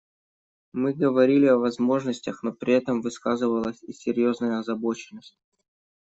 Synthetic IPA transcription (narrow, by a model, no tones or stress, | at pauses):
mɨɡəvɐɾʲilʲɪɐvɐzmo̞ʐnəsʲtʲəxno̞pɾʲɪɛt̪əmvɨskazɨvəlˠəsʲisʲːɪɾʲjo̞znəjəɐzɐbo̞t͡ɕɪnːəsʲtʲ